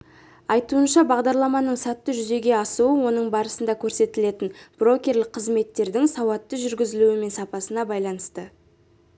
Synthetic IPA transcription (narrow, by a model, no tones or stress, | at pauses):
ɑjt̪uənʃɑbɑʁd̪ɑɾlˠɑmɑnəɴsɑt̪ːəʒʏze̞ɡʲe̞ɑsuəwo̞nəɴbɑɾəsənd̪ɑkʲʰɵɾse̞t̪ɪle̞t̪ɪnb̥ro̞kʲe̞rlɪk̚qʰːəzme̞t̪ːe̞ɾd̪ɪŋsɑwɑt̪ːəʒʏɾɡʲɪzɪluɪme̞nsɑpɑsənɑbɑjlˠɑnəst̪ə